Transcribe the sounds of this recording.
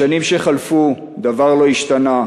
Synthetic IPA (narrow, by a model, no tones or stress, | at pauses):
animʃeχalfu | d̪avaʁlo̞iʃt̪ana